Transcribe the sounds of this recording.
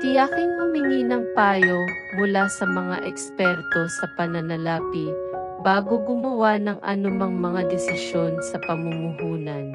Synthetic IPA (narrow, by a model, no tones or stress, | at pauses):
t̪ɪjakɪŋmɐmɪŋiːnɐŋpaːjo | mʊlasɐmɐŋa̰ʔɛkspɛɾt̪o̞sɐpɐnɐnɐlaːpi | baːɡoɡʊmɐwanɐŋʔɐ̰nʊmɐŋmɐŋad̪ɛsɪʃjo̞nsɐpɐmumʊhuːnɐn